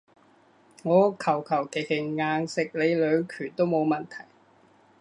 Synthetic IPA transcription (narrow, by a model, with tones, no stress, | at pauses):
ŋɔː˨˧kʰɐ˨˩wkʰɐ˨˩wk̪ʰe˨˩hɪ˨˩ŋːaː˨˧ŋsɪ˨k̚le˨˧jlœː˨˧ŋkʰyː˨˩nt̪o˥wmo˨˧wmɐ˨˩nt̪ʰɐ˨˩j